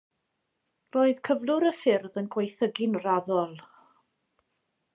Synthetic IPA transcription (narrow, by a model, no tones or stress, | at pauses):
roːɨð̥kʰəvlˠʊɾəfɪrðənɡwejθəɡɪnraðɔlˠ